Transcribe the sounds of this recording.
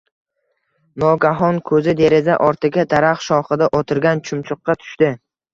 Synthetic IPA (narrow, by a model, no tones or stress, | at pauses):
nɒɡʲaɦɒnkʰɵzɪd̪e̞ɾɪza̰ʔɒɾt̪ʰɪɡʲad̪ʰaɾaχʃɒχɨd̪aʔɒt̪ʰɪɾɡʲant͡ʃʰʊmt͡ʃʰʊqːɑt̪ʰʊ̥ʃt̪ɪ